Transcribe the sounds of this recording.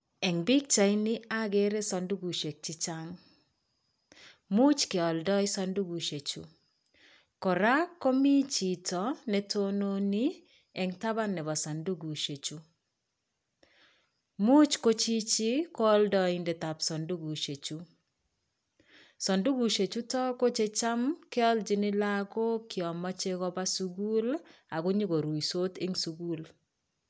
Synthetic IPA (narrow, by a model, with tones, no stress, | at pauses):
ɛ˨ŋbi˦k̚t͡ʃa˨i˦nɪ˦a˦ɡe˦ɾe˦sɔ˨ndu˦ɡu˨ʃe˨k̚t͡ʃɪ˦t͡ʃaŋ | mu˦t͡ʃkɪ˨ɔ˨ldɔ˦ɪ˦sɔ˦ndu˦ɡu˨ʃe˨t͡ʃṵ˦ | kɔ˨ɾa˦kːo˦mi˦t͡ʃi˨tɔ˨nɛ˦tono˦ni˦ | ɛ˨ŋta˦ba˦nɛ˨βa˨sa˨ndu˦ɡu˨ʃe˨t͡ʃu˦ | mu˦t͡ʃko˦t͡ʃi˦t͡ʃi˦kɔ˦ldɔ˨ɪ˨ndɛ˨t̪a˨psɔ˨ndu˦ɡu˨ʃe˨t͡ʃu˦ | sɔ˨ndu˦ɡu˨ʃe˨t͡ʃu˦tɔ˦ko˦t͡ʃe˦t͡ʃa˦mkɪ˦ɔ˦ld͡ʒɪ˦nɪ˦la˦ko˦kjɔ˨ma˦t͡ʃe˦kɔ˦ba˦su˦ɡu˦la˨ɡʊ˦ɲi˦ɡo˨ɾu˨iso˦te˦ŋsu˨ɡu˦l